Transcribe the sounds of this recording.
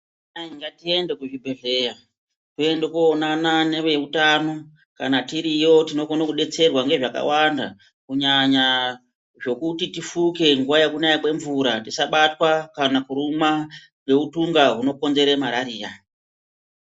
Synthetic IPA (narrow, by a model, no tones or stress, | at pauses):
naiŋɡatie̞ndekuʐibʱe̞ɮe̞ja | kue̞ndekuonanane̞ʋe̞utano̞ | kanatiɾijo̞tino̞konokuɗe̞t͡se̞rwaŋɡe̞ʐaka̰wanda̰ | kuɲaɲa | ʐo̞kutitifuke̞ŋɡuwajekunajakwe̞ɱvuɾatisaɓatwakanakuɾuma | kwe̞utuŋɡaɦuno̞ko̞nze̞ɾemaɾaɾiːja